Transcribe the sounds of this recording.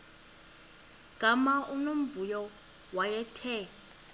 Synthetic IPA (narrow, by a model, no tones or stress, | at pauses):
ɡ̥ʱamaʔunom̩vujɔ | wajɛtʰɛ